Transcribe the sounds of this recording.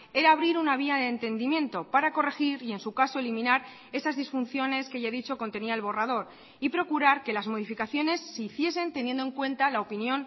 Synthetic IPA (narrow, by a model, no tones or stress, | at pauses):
e̞ɾaːβɾiɾunaβ̞iaðeːnt̪e̞nd̪imjẽ̞nt̪o̞paɾako̞re̞xiɾie̞nsukaso̞elimĩnaɾ | e̞sazðisfun̟θjo̞ne̞skeʝaðit͡ʃo̞ko̞nt̪e̞niae̞lβo̞rað̞o̞ɾ | ipɾo̞kuɾaɾke̞lazmo̞ð̞ifikaθjo̞ne̞sːeiθje̞se̞nt̪e̞njend̪oe̞ŋkwẽ̞nt̪alao̞pinjõ̞n